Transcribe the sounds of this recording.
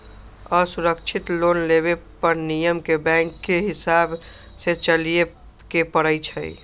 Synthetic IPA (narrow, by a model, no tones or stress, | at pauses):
əsuɾəkt͡ʃʰit̪lonleβepəɾnijəmkebɛ̃ŋkːeɦɪsab | set͡ʃəlije | kepəɽəjt͡ʃʰə̰i